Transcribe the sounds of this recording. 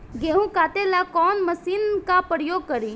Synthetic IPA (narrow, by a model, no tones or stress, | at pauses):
ɡeːɦũkaːt̪elakɔːnməsiːnkapɾəjoːɡ̚kəɾiː